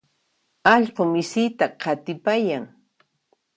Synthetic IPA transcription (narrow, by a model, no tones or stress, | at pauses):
ɑʎqomɪsɪjt̪aqʰɑt̪ɪpajaŋ